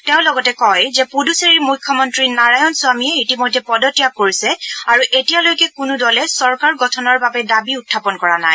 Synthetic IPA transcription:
tɛʊ̃lɔɡɔtɛkɔjzɛpuduseɹiɹmujkʰːɔmɔntɹinaɹajɔnsʊamijɛitimojdʱɛpɔdɔtijakoɹisɛaɹuʔetijalojkɛkunudɔlɛsɔɹkaɹɡɔtʰɔnɔɹbabɛdabiutʰːapɔnkɔɹana̰j

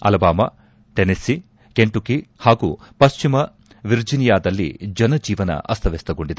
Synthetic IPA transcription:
ɐ̰lɐbaːmɐ | ʈenisi | keɳʈukihaːɡupɐst͡ʃimɐ | ʋiɾd͡ʒinijaːd̪ɐlːḭd͡ʒɐnɐd͡ʒiːʋɐnɐ̰ʔɐst̪ʰɐʋest̪ɐɡo̞ɳɖid̪ɐ

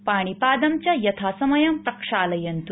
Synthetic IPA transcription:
paːɽ̃ipaːd̪ɐmt͡ɕjajɐt̪ʰaːsɐmɐjɐmpɾɐkʂaːlɐjɐnt̪u

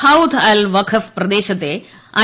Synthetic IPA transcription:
aut̪ʰalʋɐkʰɐfpɾɐd̪eːʃɐt̪e | ɐ

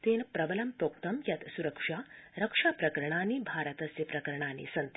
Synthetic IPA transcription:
t̪eːnpɾɐbɐlɐmpɾoːk̚t̪ɐmjɐt̪suɾɐkʂaːɾɐkʂaːpɾɐkɐɾɐɳ̃aːniːbʱaːɾɐt̪ɐsjipɾɐkɐɾɐɳ̃aːnḭsɐnt̪

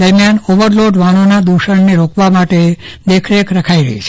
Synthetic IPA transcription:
əɾmjanoʋəɾloɖʋaɽ̃onad̪uʃəɳneɾokʰʋamaʈed̪ekʰɾekɾəkʰaiɾə̰ɦḭt͡ʃʰ

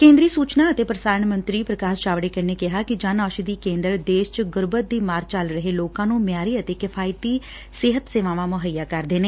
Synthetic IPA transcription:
kẽːnd̪ɾiːsuːt͡ʃnaːət̪eːpɾəsaːnmənt̪ɾiːpɾəkaːst͡ʃaːʋɽeːkəneːkɪɦaːkɪd͡ʒãːnaːʃid̪iːkẽːnd̪əɾd̪eːʃt͡ʃɡʊɾbət̪̚d̪iːmaːɾt͡ʃəlɾəɦeːloːkãːnũːmɪjaːɾiːət̪eːkɪpʰaːɪt̪iː | sɪɦət̪seːʋãːʋãːmʊɦəjːaːkəɾd̪eːneː

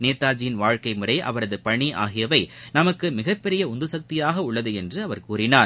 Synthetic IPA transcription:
neːt̪ːaːd͡ʒɪjɪnʋaːɻkɐɪmɯrɐɪʔɐ̰ʋɐɾɐðɯpɐɳiʔaːɣɪjɐʋɐɪnɐmɐkːɯmɪɣɐpːɛɾɪjɐʊnd̪ɯsɐk̚t̪ɪjaːɣɐʊɭːɐðɯɛndrɯɐʋɐɾkuːɾɪnaːɾ

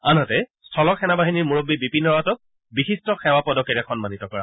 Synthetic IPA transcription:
anɔtɛstʰɔlɔkʰɛnabaɦiniɹmuɹobːibipinɔɹatɔk̚ | bixistɔxɛwapɔdɔkɛɹɛkʰɔnmanitɔkɔɹa̰

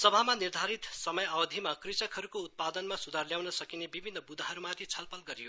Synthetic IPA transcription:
sʌbʱamanird̪ʱaɾit̪sʌmʌjawʌd̪ʱimakrit͡sʌkɦʌɾukout̪̚pad̪ʌnmasud̪ʱarljawnʌsʌkinebibʱinːʌbud̪ʱaɦʌɾumat̪ʰit͡sʰʌlpʌlɡʌɾijo

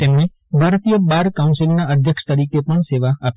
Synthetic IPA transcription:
t̪emne | bʱaɾət̪ijəbaɾkaunsilnaəd̪ʱjəkʃt̪əɾikepəɳseʋaːp

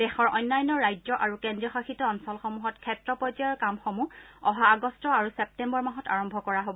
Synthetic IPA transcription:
dɛxɔɹʔɔjnːajɔnɔɹːajd͡ʒzɔʔaɹukendɹijɔxaxitɔɔnsɔlxɔmuɦɔtkʰɛtɹɔpɔd͡ʒajɔɹkamxomuɔɦaːɡɔstɔaɹusɛp̚tɛmbɔɹmaɦɔta̰ɹɔmbʱɔkɔɹaɦobɔ

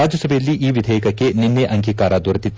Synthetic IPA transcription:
aːd͡ʒɐsɐbʱejɐlːiʔiːʋid̪ʱɛːjikɐkːe̞ninːeʔɐŋɡiːkaːɾɐd̪uɾɐt̪it̪ː

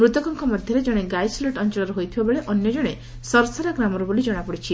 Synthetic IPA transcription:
mɾut̪ɔkɔŋkʰɔmɔd̪ʱjɔɾed͡ʒɔɽ̃eɡajsleʈɔnt͡ʃɔlɔɾuɦojt̪ʰibabeɭeʔɔnjɔd͡ʒɔɽ̃e | sɔɾɔsaɾaɡɾamɔɾubolid͡ʒɔɽ̃apɔɽit͡ʃʰi

